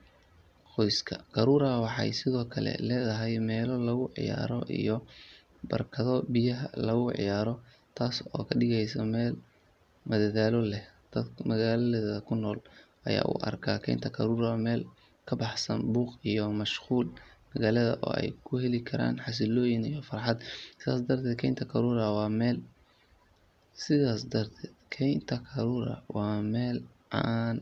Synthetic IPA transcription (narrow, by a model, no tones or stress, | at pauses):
qɔjskʰɐqʰɑɾuːɾawɑħɑ̰jsɪðɔːkʰɐlɛ̰lɛːðɐɦɛjmɛːlɔlɐɣʊʕɪ̰ja̰ːɾɔ̰ʔḭjɔ | bɐ̰rkʰɐðɔbɪjɐɦɐ̰lɐɣʊʕɪ̰jaːɾɔ | t̪ʰaːsɔːkʰɐɗɪɣɛjsɐmɛːl | mɐðɐðaːlɔlɛhd̪̥ɐd̪mɐɣaːlðɐðɐkʰʊnːɔːlʔɐ̰ja̰ːʔʊ̰ʔɐ̰rkʰaːkʰɛ̰jnt̪ʰɐkʰɐɾuːɾaːmɛːl | kʰɐbɑħsɐnbuːqijɔmɐʃquːlmɐɣaːlɐðɐ̰ʔɔ̰ːɛ̰jkʰʊhɛlɪkʰɐɾa̰ːnħɑs̬ɪlɔːjɪnijɔfɑɾħɑd̪sɪða̰ːsd̪ɐrt̪ʰɛːd̪̚kʰɛjnt̪ʰɐkʰɐɾuːɾɐwɑːmɛːl | sɪðaːsd̪ɐrt̪ʰɛːd̪̥kʰɛjnt̪ʰɐkʰɐɾuːɾɐ̰wɑːmɛːl | aːn